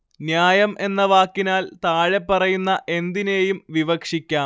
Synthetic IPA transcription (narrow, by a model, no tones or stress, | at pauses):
njaːjɐmʔe̞nːɐʋaːkːinaːlt̪aːɻe̞pːɐrɐjunːɐʔe̞nd̪ineːjumʋiʋɐkʂikʲːaːm